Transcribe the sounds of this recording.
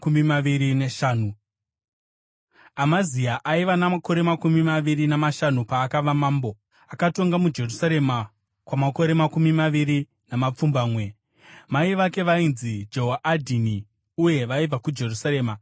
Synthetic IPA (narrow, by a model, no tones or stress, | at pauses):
kumimaʋiɾineʃaːnu | amaziaʔaiʋanamako̞ɾe̞makumimaʋiɾinamaʃanupaːkaʋamaːmbo̞ | akato̞ŋɡamud͡ʒe̞rusaɾe̞ma | kwamako̞ɾe̞makumimaʋiɾi | namap͡fumbaːmwe̞ | maiʋake̞ʋainzid͡ʒo̞ɦaʔadʱini | uje̞ʋaib͡vakud͡ʒe̞rusaɾe̞ːma